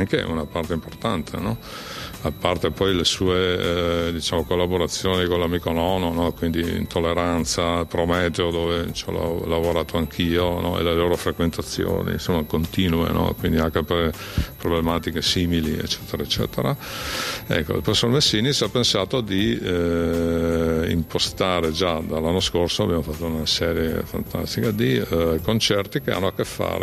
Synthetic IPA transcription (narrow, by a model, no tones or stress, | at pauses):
aŋk̟ḛṵnapart̪eimport̪ant̪ʰḛnɔ | apːart̪epɔjlesuːed̪it͡ʃaːmokolːaboɾat̪sːjoːnikolamikonɔnonɔkwind̪iḭnt̪ʰolːeɾant̪sapɾomɛːd̪jod̪oːvet͡ʃɔ̰la̰lavoɾaːt̪oaŋkʰiːonɔ̰ḛleloːɾofɾekwent̪at̪sːjo̰ːnḭnsomːakont̪iːnuḛnʔɔ̰kwind̪iaŋkepɾe | pɾoblemaːt̪ikesiːmiliḛt͡ʃːɛːt̪eɾaet͡ʃːɛ̰ːt̪eɾa | ɛ̰kːo̰ḭlpɾesoɾmesːiːnisiapːensaːt̪od̪i | ḭmpost̪aːɾed͡ʒad̪alːanːoskorsoabjamofat̪ːounasɛːɾjḛfa̰nt̪ʰa̰st̪ikad̪ikont͡ʃɛrt̪ikea̰nːoakːefːa̰ːɾḛ